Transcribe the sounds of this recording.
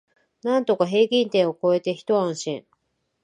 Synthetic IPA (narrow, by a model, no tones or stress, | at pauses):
nãnt̪o̞kaɦe̞ːɡʲĩnt̪ẽ̞ɰ̃o̞ko̞e̞t̪e̞çi̥t̪o̞ãɰ̃ɕḭ̃ɴ